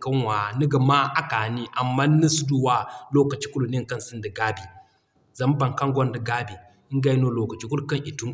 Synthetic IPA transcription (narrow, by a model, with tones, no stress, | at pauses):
kɐ˦nwa˨ni˦ɡa˨ma˦ʔa˦ka˨ni˦ʔa˨mːa˦ni˦su˦du˦wa˦lo˦kɐ˨t͡ʃi̥˦ku˦lu˨ne˦ŋ˨kɐ˦nsi˦ndə˨ɡa˦bi˨ | za˨m˦ba˨ŋka˦ŋɡʷo˦ndə˨ɡa˦bi˨˦ | ɡa˦jno˦lo˦kɐ˨t͡ʃi˦ku˦lkɐ˦ŋʔi˨tu˦ŋ